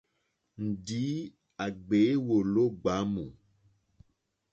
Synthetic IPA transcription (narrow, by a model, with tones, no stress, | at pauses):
n̩˨di˨˦ | a˨ɡ͡be˨˦wo˨lo˦ɡ͡ba˨˦mu˨